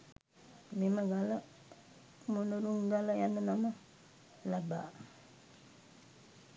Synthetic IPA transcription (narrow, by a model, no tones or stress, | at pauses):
miməɡala | munəɾuŋɡalajanːənama | laba